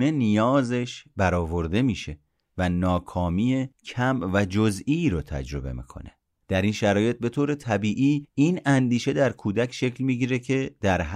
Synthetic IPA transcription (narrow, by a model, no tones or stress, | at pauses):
ne̞nijɒːze̞ʃbæɾɒːvo̞ɾd̪e̞miːʃe̞ | vænɒːkʰɒːmiːecʰæmvæd͡ʒozʔiɾot̪ʰæ̰d͡ʒɾo̞be̞̰mḭːkʰo̞̰ne̞̰ | d̪̥æɾiːnʃæɾɒːje̞t̪̚be̞t̪ʰoːɾe̞t̪ʰæbiːʔiːiːnænd̪iːʃe̞d̪æɾkʰuːd̪æcʰʃe̞clmiːɟiːɾecʰe̞d̪̥æɾɦ